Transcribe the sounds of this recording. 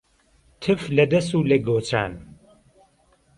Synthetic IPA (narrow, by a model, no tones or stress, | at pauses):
t̪ʰɨflɐd̪ɐsuːlɐɡoːt͡ʃa̰ːn